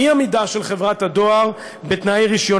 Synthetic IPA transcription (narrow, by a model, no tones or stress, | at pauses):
iamidaʃelχe̞vʁat̪had̪o̞aʁ | bet̪najʁiʃjo̞